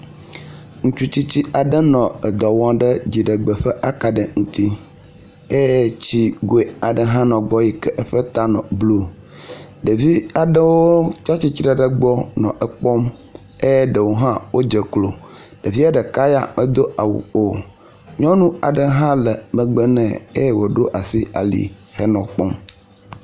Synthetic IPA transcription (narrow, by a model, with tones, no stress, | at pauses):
ŋũ˦t͡ʃu˦t͡ɕi˦t͡ɕi˦ʔa˨ɖə˦nɔ̃˨ə˨d̪ɔ˨wɔ̃˦ɖə˦d͡ʑi˨ɖə˨ɡ͡bə˨ɸə˦ʔa˦ka˨ɖə˨ŋũ˨t̪i˦ | e˦jt͡ɕi˦ɡo˨e˨a˨ɖə˨ɦã˦nɔ̃˨ɡ͡bɔ˦ji˨kɛ˦ʔə˦ɸə˦t̪a˦nɔ̰̃˨blu˦ | ɖə˨vi˦a˨ɖə˦woo˦t͡ʃa˦t͡ɕi˦t͡ɕi˦ɾə˨ɖə˨ɡ͡bɔ˦nɔ̰̃˨ʔɛ˦k͡pɔ˦me˦jɛ˦ɖə˨wo˦ɦã˦wo˦d͡ʒə˨klo˨ɖ̥e˨vi˦a˦ɖɛ˨ka˦ja̰˨mə˨d̪o˦ʔa˨wṵ˨o˨ | ɲɔ̃˦nũ˦a̰˨ɖə˨ɦã˦lɛ˨mə̃˨ɡ͡bə˦nɛ̰̃˨e˦jɛ˦wo˨ɖo˦ʔa˨si˦a̰˨lḭ˨ | xɛ˦nɔ̃˨k͡pɔ˦m